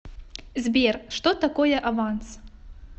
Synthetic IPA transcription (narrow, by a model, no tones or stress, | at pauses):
zʲbʲerʂt̪ɔt̪akɔjɛʔavans